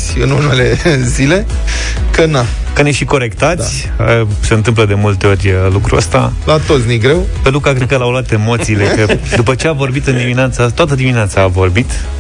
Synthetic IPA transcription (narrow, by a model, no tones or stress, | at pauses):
sʲɨnunele̞zile̞ | kəna | kəneʃiko̞ɾe̞kt̪at̪sʲ | ə | seɨnt̪ɨmpləd̪e̞mult̪e̞o̞rʲlukɾuə̰st̪a̰ | lat̪o̞t̪sʲnijɡɾe̞wpe̞lukakɾet̪kəlawloat̪e̞mo̞t̪siːlekəd̪upət͡ʃe̞avo̞rbit̪ɨnd̪imineat̪sət̪oat̪əd̪imineat̪saːvo̞rbit̪